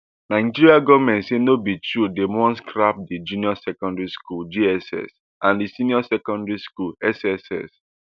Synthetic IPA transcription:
nãɪ̃d͡ʒiɹiaɡɔvmɛ̃ntsenobitɹudemɔ̃nskɹap̚did͡ʒũniɔsɛkɔ̃ndɹiskuld͡ʒiɛsɛ̰s | ãndisiniɔsɛkɔ̃ndɹiskulɛsɛsɛ̰s

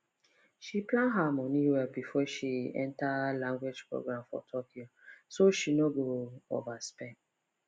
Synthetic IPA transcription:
ʃiplãnɦamɔniwɛbifɔʃiɛ̰̃ntalãŋɡwed͡ʒpɹo̰ɡɹãmfɔ̰tʰɔkiosoʃinoɡoo̰vaspẽn

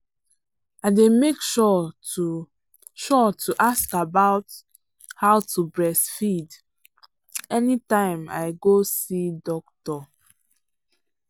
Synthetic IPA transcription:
aɪdemekʃɔu | ʃɔtʰuʔaskabaʊt | haʊtʰubɹɛsfid | ɛnitãɪ̃ma̰ɪɡosidɔk̚tɔ

